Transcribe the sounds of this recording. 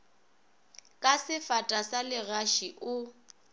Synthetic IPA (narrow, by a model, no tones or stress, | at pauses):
kʼasɪfatʼasalɪɣaʃiʔʊ